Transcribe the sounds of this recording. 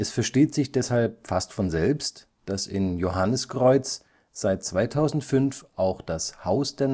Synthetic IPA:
ʔɛsfɛɐʃteːtz̥ɪçd̥ɛshalp̚fastfɔnzɛlpst | d̥asɪ̰njoɦanəskʁ̥ɔʏt͡s | z̥aɪt̚t͡sv̥aɪtʰaʊzn̩tfʏnfʔaʊxd̥ashaʊsd̥eːɐ

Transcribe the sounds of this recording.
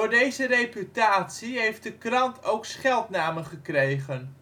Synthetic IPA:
ʊːɹdejzərejpytaːtsiɦejft̚dəkrɑntowksχɛlˠtnaːməχəkrejχən

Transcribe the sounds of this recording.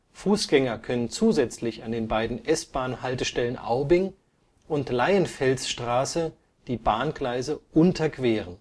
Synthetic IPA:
fuːsɡ̥ɛŋɐkʰœnənt͡suːzɛt͡slɪçandeːnbaɪdn̩ʔɛsb̥aːnhaltəʃtɛlənʔa̰ʊbɪŋ | ʔʊntlaɪənfɛlsʃtʁ̥aːsə | d̥iːbaːnɡlaɪzəʔʊntʰɐkv̥eːʁən

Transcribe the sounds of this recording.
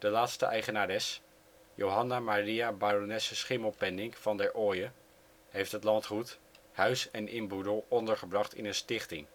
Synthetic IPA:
d̥əlaːtstə̰ʔɛjχənaːdɛs | jowɦɑnamariabaɾonɛsəsχɪməlˠpɛndɪŋkfɑndɛɹʔoːjə | ɦejftɦətlɑntχut | hœɥsɛnʔɪ̰mbudəlˠɔndəɹχəbrɑχtɪ̰nənstɪχtɪŋ

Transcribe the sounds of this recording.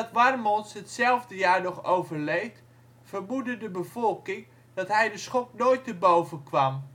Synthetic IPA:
ɑtʋarmɔnsɦətsɛlˠvdəjaːɹnɔχowvərlejt | fərmudədəbəv̥ɔlˠkɪŋ | d̥ɔtɦɛjdəsχɔk̚noːjtːəbowvənkʋɑm

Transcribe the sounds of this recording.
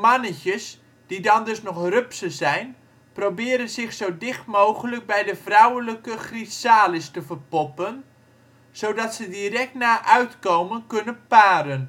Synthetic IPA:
mɑnəcəs | d̥idɑndɵsnɔχrøpsəzɛjn | prowbɪːɾənzɪχsowdɪχtmowχələk̚bɛjdəvrɔwələkəχrisaːlɪstəvərpɔpən | z̥owdɑtsədirɛk̚tnaːʔœɥtkowmənkɵnənpaːɾən

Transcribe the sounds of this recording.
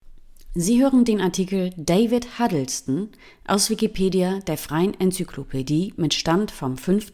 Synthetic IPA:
ziːɦøːʁən̩deːnaɐtʰiːkl̩deɪvɪthadl̩stn̩ | ʔa̰ʊsv̥ikipʰeːdiadeːɐfʁ̥aɪənɛnt͡sykʰlopʰediːmɪtʃtantfɔmfʏnft

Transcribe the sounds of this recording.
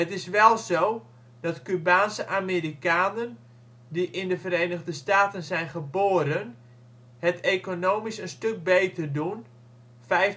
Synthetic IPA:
ətɪsʋɛlˠzow | dɑtkybaːnsəʔameːɾikaːnən | diʔɪndəvəɾejnəɣdəstaːtənzɛjnχəboːɾən | hətʰeːkonoːmisənstɵk̚beːtʰərdun | fɛjf

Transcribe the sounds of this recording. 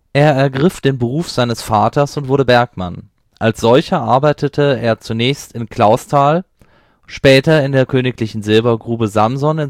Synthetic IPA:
ʔeːɐɛɐɡʁɪfd̥eːnbəʁ̞uːfz̥aɪnəsfaːtɐsʊntv̥ʊɐdəbɛɐkma̰n | ʔalsz̥ɔlçɐʔaɐbaɪtətʰəeːɐt͡sunɛːçstɪnkʰl̥aʊstʰaːl | ʃpɛːtɐɪndeːɐkʰøːnɪklɪçn̩zɪlbɐɡʁuːbəzamzɔnɪn

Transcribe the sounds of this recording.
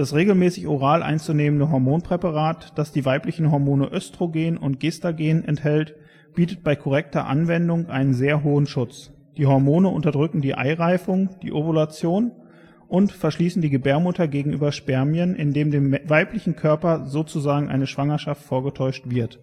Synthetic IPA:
d̥asʁeːɡl̩mɛːsɪçʔoʁ̞aːlʔa̰ɪnt͡suneːməndəɦɔɐmoːnpʁ̥ɛpaʁaːtd̥asd̥iːvaɪplɪçn̩ɦɔɐmoːnəʔœstʁ̥oɡeːnʊnt̚ɡ̥eːstaɡeːnʔɛ̰nthɛlt | b̥iːtət̚b̥aɪkʰɔʁ̞ɛk̚tɐ̰ʔa̰nvɛndʊŋʔa̰ɪnənzeːɐɦoːənʃʊt͡s | d̥iːhɔɐmoːnəʔʊ̰ntɐdʁʏkŋ̩diːʔa̰ɪʁaɪfʊŋd̥ḭːʔobolat͡sjoːn | ʔʊntfɛɐʃliːsn̩diːɡəbɛːɐmʊtʰɐɡeːɡŋ̩ʔyːbɐʃpɛɐmjənʔɪ̰ndeːmdeːmvaɪplɪçn̩kʰœɐpɐzoːt͡suzaːɡŋ̩ʔa̰ɪnəʃv̥aŋɐʃaftfoːɐɡətʰɔʏʃtv̥ɪɐt

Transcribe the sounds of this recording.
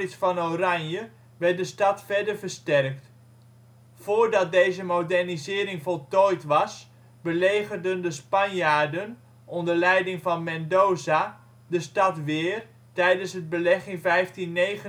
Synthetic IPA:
ɪsfɑnowranjə | ʋɛrt̚dəstɑtfɛɹdərvəɹstɛrk̚t | foːɹdɑt̚dejzəmowdɛrnizɪːɾɪŋvɔlˠtɔjtʋɑs | bəleːɣərdəndəspɑnjaːɹdən | ɔndərlɛjdɪŋvɑnmɛndoːza | dəstɑtʋɪːr | tɛjdənsɦəd̚bəlɛχɪnvɛjftinːejχə

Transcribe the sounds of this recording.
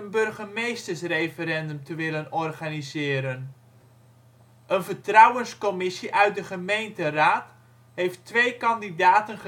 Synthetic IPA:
ənbɵrχəmejstəɹsrejfəɾɛndəmtəʋɪlənɔrχanizɪːɾən | ʔənvəɹtrɑwənskɔmɪsiʔœɥt̚dəχəmejntəraːt | ɦejftʋejkɑndidaːtənχə

